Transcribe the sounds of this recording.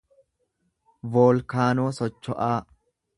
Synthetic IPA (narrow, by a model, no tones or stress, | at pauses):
voːlkaːnoːsɔt͡ʃːɔʔaː